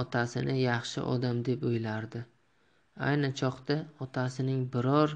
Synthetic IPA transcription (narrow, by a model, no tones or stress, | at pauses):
ɒt̪ʰasɪnɪjɑχʃɪ̰ʔɒ̰d̪amd̪e̞pojlaɾd̪ɪ | a̰jnat͡ʃʰɒqt̪aɒt̪ʰasɪnɪŋbɪɾɒɾ